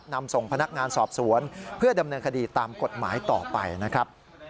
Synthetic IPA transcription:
na˧mso˨˩ŋpʰa˧na˦˥k̚ŋaː˧nsɔː˨˩p̚su˩˦ənpʰɯ˥˩ɐda˧mnɤː˧nkʰa˧diː˧t̪aː˧mko˨˩t̪̚ma̰ː˩˦jt̪ɔ̰ː˨˩pa̰˧jna˦˥kʰɾa˦˥p̚

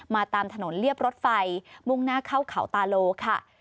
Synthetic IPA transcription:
maː˧t̪aː˧mt̪ʰa˧no˩˦nli˥˩əp̚ɾo˦˥t̪̚fa˧jmu˥˩ŋnaː˥˩kʰa˥˩wkʰa˩˦wt̪aː˧loː˧kʰa˥˩

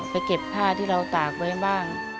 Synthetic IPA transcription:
pa˧jke˨˩p̚pʰːaː˥˩t̪ʰiː˥˩ɾa˧wt̪aː˨˩k̚wa˦˥jbaː˥˩ŋ

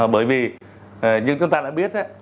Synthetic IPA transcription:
a˨˩ɓəː˨˩˦jviː˨˩˨ | ɲɨ̰˧˥ŋt͡ɕʊ˧ŋ͡mt̪aː˧ɗa̰ː˧˥ɓi˦˥ət̚ʔa˨˦

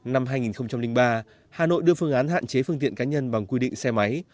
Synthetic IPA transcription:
na˧mhaː˧jŋi˨˩nxə˧wŋ͡mt͡ɕa˧mlï˧ŋ̟ɓaː˧ | haː˨˩no̰˧˨jɗɨ˧əfɨ˧əŋʔaː˨˦nɦa̰ː˧˨nt͡ɕe˨˦fɨ˧ŋt̪ḭ˧˨ənkaː˨˦ɲə˧nɓa˨˩ŋkwi˧ɗḭ̈˧˨ŋ̟sɛ˧ma˨˦j

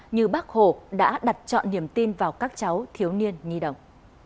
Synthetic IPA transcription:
ɲɨ˧˩ɓaː˦˥k̚ho˧˩ɗa̰ː˧˥ɗa˨˩t̚t͡ɕɔ̰˧˨nːi˧˩əmt̪i˧nvaː˨˩wkaː˦˥k̚t͡ɕa˨˦wt̪ʰi˨˦əwni˧ənɲi˧ɗə̰˧˨wŋ͡m

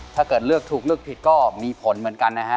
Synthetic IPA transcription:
tʰaː˥˩kɤː˨˩t̪̚lɯ˥˩ək̚t̪ʰuː˨˩k̚lɯ˥˩ək̚pʰi˨˩t̪̚kɔː˥˩miː˧pʰo˩˦nmɯ˩˦ənka˧nːa˦˥kʰa˦˥

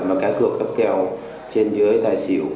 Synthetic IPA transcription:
maː˨˩kaː˨˦˥kɨ̰˧˩əkːə˦˥p̚kɛ˧w | t͡ɕe˧nzə˨˦jt̪aː˨˩jsḭ˧˩˨w

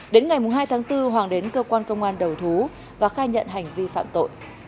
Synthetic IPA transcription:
ɗe˨˦nŋa˨˩jmʊ˨˩ŋ͡mɦaː˧jt̪ʰaː˨˦ŋt̪ɨ˧ɦwaː˨˩ŋɗe˨˦nkəː˧kwaː˧nkə˧wŋ͡mʔaː˧nɗə˨˩wt̪ʰu˨˦ | vaː˨˩xaː˧ɲə̰˧˨nɦa˨˩jŋ̟vi˧fa̰ː˧˨mt̪o̰˧˨j

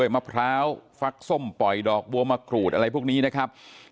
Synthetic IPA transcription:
əjmaː˧˩pʰɾaː˦˥wfa˦˥k̚so˥˩mpɔ˨˩jdɔː˨˩k̚bu˧ɐmaː˧˩kʰɾuː˨˩t̪̚ʔa˧a˧jpʰuː˥˩kniː˦˥na˦˥kʰɾa˦˥p̚

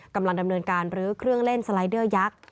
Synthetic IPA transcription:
kːa˧mla˧ŋda˧mnɤː˧nkaː˧nɾɯː˨˦kʰɾɯ˥˩əŋle˥˩nsa˧la˨˧˦jdɯː˥˩ɐja˦˥k̚

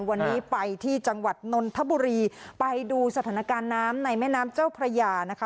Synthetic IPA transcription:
wa˧nːiː˦˥pa˧jt̪ʰiː˥˩t͡ɕa˧ŋwa˨˩t̪̚no˧nt̪ʰa˦˥buː˧ɾiː˧pa˧jduː˧sa˧t̪ʰaː˩˦na˧kaː˧nːaː˦˥mna˧jmɛː˥˩naː˦˥mt͡ɕaː˥˩wpʰɾa˧jaː˧na˦˥kʰa˦˥

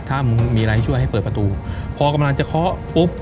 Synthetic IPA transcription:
t̪ʰaː˥˩m˧miː˧ɾaː˧ht͡ɕʰu˥˩əjɦa˥˩jpɤː˨˩pa˧t̪uː˧pʰɔː˧ka˧mla˧ŋt͡ɕa˨˩kʰɔ˦˥ʔpu˦˥p̚

